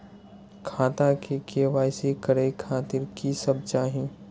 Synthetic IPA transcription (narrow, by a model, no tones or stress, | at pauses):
kʰaːt̪akekeʋaːjsekəɾekʰaːt̪ɪɾkisəb̚t͡ʃaːɦĩ